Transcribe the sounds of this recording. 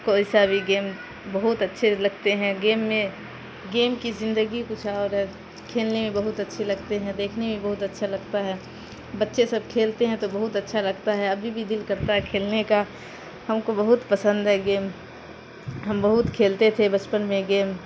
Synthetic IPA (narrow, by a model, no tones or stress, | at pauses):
koɪsabʱiɡeːm | bəɦʊt̪ətːʃʰelɐɡ̚t̪eɦɛ̃ɡeːmːẽ | ɡeːmkizɪ̃nd̪əɡikʊt͡ʃʰaɔːɾɦɛ | kʰeːlnemẽbəɦʊt̪ətːʃʰelɐɡt̪eɦɛ̃d̪eːkʰnemẽbəɦʊt̪ɐtːʃʰalɐɡt̪aɦɛ | bətːʃesəb̚kʰeːlt̪eɦɛ̃t̪obəɦʊt̪ətːʃʰalɐɡt̪aɦɛɐbʱibʱid̪ɪlkəɾt̪aɦɛkʰeːlneka | hɐmkobəɦʊt̪pəsə̃nd̪ɦɛɡeːm | ɦəmbəɦʊt̪kʰeːlt̪et̪ʰebət͡ʃpənmẽɡeːm